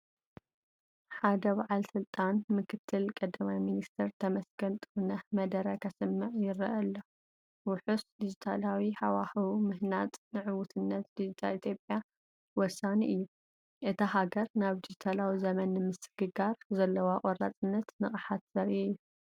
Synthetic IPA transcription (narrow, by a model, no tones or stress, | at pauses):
ħad̪ɐbaʕalsɨlt̪ʼanmɨkʰɨt̪ʰːɨlkʼɐd̪ɐmajminist̪ʰɨɾt̪ʰɐmɐsɡɐnt̪ʼɨɾnɐmɐd̪ɐɾɐkʰɐsɨmːɨʕjɪɾɐʔɐlːo | wʊħusd̪id͡ʒit̪ʰalawiħawaxɨwmɨhnat̪ʼnɨʕɨwʊt̪ʰɨnːɐt̪d̪id͡ʒit̪ʰalit̪ʰjo̞pʼja | wɔsaniʔɨjːu | ʔɨt̪ʰahaɡɐɾnaβd̪id͡ʒit̪ʰalawizɐmɐnːɨmɨsɨɡɨɡaɾzɐlːɐwaqʼɔɾa̰t͡sʼɨnːɐt̪nɨχʼɨħat̪z̥ɐɾiɨjːu